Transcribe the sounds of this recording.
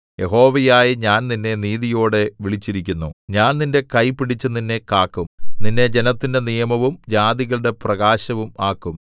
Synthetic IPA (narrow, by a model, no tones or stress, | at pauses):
je̞ɦo̞ːʋɐjaːjiɲaːnninːe̞niːðijo̞ːɽe̞ʋiɭit͡ɕːiɾikʲːunːuɲaːnninde̞kɐjpiɽit͡ɕːɨninːe̞kaːkːumninːe̞d͡ʑe̞nɐt̪ːinde̞nijɐmɐʋumd͡ʑaːðiɣɐɭɨɽe̞prɐɣaːɕɐʋumaːkːum